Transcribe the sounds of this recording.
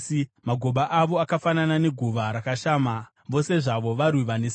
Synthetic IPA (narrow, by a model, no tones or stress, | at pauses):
maɡʱo̞ɓaʔaʋo̞akafananane̞ɡʱuʋaɾakaʃaːma | ʋo̞se̞ʐaʋo̞ʋaɾwiʋanes